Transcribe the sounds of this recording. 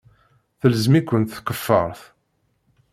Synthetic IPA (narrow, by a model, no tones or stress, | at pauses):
θələzmikʷːənt̪θkəfːə̰ɾˤθ